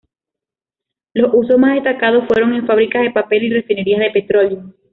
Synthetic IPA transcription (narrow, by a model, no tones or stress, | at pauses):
lo̞suso̞smazðest̪akað̞o̞sfwe̞ɾo̞ŋe̞ɱfaβ̞ɾikaðe̞pape̞lire̞fine̞ɾiazðe̞pe̞t̪ɾo̞ʎjo